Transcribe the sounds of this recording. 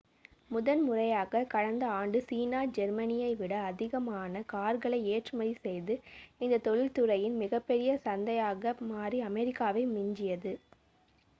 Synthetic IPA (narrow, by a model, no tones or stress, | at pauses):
mʊðɐnmʊrɐjaːɣɐkɐɻɐnd̪ɐaːɳɖɯsiːnaːd͡ʒɛɾmɐnɪjɐɪʋɪɽɐːðɪɣɐmaːnɐkaːɾɣɐɭɐɪeːʈrɯmɐðisɛjðɯɪnd̪ɐt̪ɔɭɪlt̪ɯrɐjɪnmɪɣɐpːɛɾɪjɐsɐnd̪ɐjaːɣɐmaːriɐmɛɾɪkːaːʋɐɪmɪɲd͡ʒɪjɐðɯ